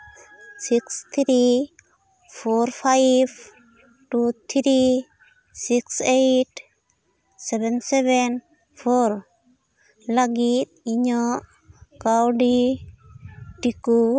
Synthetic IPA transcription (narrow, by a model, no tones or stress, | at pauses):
sikst̪ʰɾi | fɔɾfajv | ʈut̪ʰɾi | siksejʈ | sɛvɛnsɛvɛn | foɾ | laɡit̪̚iɲɔ | kawɖi | ʈiku